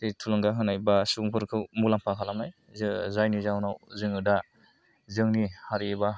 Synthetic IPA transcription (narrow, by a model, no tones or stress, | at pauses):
tejtʰulɯŋɡaɦɯnajbasuŋkʰɯɾkʰɯwmulaŋpʰakʰalamaj | zɯzajnizawnawzɯŋɯda | zɯŋnihaɾieba